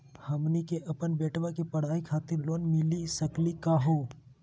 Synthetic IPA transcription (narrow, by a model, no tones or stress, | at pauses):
hɐmnikeʔɐpənbɛːʈʋakepɐɽ̤aːikʰaːt̪ɪɾloːnmɪlisəklikaɦoː